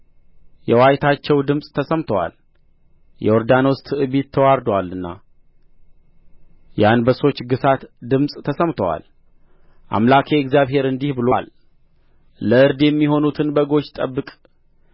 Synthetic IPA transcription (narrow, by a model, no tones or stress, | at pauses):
jɛwajt̪ʰat͡ʃːɛwd̪ɨmsʼt̪ʰəsəmt̪ʰəwa̰l | jɛ̰wɔɾd̪ano̞st̪ʰɨɨβit̪ʰːəwaɾd̪walɨnːa̰ | janbəso̞t͡ʃːɡɨsat̪d̪ɨmsʼt̪ʰəsəmt̪ʰəwa̰l | ʔa̰mlakʰeɛkzjaβhe̞ɾɨnd̪ihbɨlol | əɨɾd̪jɛmːiɦo̞nut̪ʰɨnbəɡo̞ʃt̪ʼəbːɨkʼ